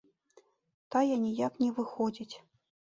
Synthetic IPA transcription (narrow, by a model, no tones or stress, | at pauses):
t̪ajɛnʲijaknʲɛvɨxɔd͡zʲit͡sʲ